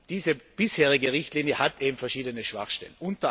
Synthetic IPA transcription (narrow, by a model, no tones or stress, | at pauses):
d̥iːzəb̥ɪsheːʁɪɡəʁɪçtliːnjəhatʔeːbm̩fɛɐʃiːdənəʃv̥a̰χʃtɛ̰lənʔʊntɐ